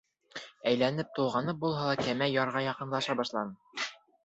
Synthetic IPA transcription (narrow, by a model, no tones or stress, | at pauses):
æjlænɘp̚t̪ulʁɑnɤp̚bulˠɦɑlˠɑkæmæjɒɾʁɑjɑqɤ̆nlˠɑʃɑbɒʃlˠɑnɤ